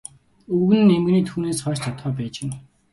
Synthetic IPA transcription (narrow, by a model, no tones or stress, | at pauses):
ɵɣɘ̆nɘ̆nemɘ̆ɣniːt̪ʰuːneːsχœːt͡ɕt͡ɕʰat̪χœːp̬æːt͡ɕen